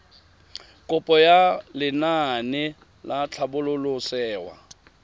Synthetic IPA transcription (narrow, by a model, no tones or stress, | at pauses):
kʼʊpʼɔjalɪnanɪ | lat͡ɬʰabʊlʊlʊsɛːwa̰